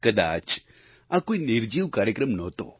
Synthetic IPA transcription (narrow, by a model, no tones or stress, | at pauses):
kəd̪a̰ːt͡ʃ | ãkoːinɪɾd͡ʒiːʋkaːɾjəkɾəmnɔːt̪o̰ː